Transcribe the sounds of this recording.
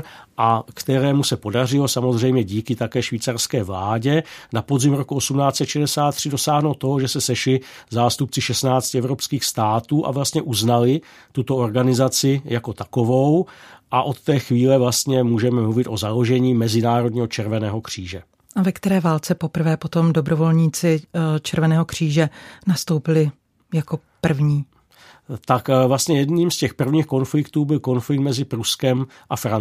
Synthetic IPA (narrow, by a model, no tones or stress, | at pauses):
ʔakt̪ɛɾɛːmusɛpo̞dar̝ɪlo̞samo̞zr̝ɛjmɲɛɟiːkɪt̪akɛːʃviːt͡sarskɛːvlaːɟɛnapo̞zɪmɾokuosumnaːt͡sɛt̪ʃɛdɛsaːt̪ːr̝̥ɪdo̞saːɦnowt̪ːo̞ɦoʒɛsɛsɛʃlɪzaːst̪up̚t͡sɪʃɛstnaːt͡stcɪɛvɾo̞pskiːxst̪aːt̪uːʔa̰vlast̪ɲɛʔuznalɪ | t̪ut̪o̞o̞ɾɡanɪzat͡sɪjako̞t̪ako̞vo̞wʔaʔo̞t̪ːɛːxviːlɛvlast̪ɲɛmuːʒɛmɛmluvɪt̪ʔo̞zalo̞ʒɛɲiːmɛzɪnaːɾod̪̚ɲiːɦo̞t͡ʃɛɾvɛnɛːɦo̞kr̝̥iːʒɛ | ʔavɛkt̪ɛɾɛːvaːlt͡sɛpo̞pr̩vɛːpo̞t̪o̞mdobɾovo̞lɲiːt͡sɪt͡ʃɛɾvɛnɛːɦo̞kr̝̥iːʒɛnast̪owpɪlɪ | jako̞pr̩vɲiː | t̪akvlast̪ɲɛjɛdniːmscɛxpr̩vɲiːxko̞nflɪkt̪uːbɪlko̞nflɪk̚t̪mɛzɪpɾuskɛm | ʔafɾa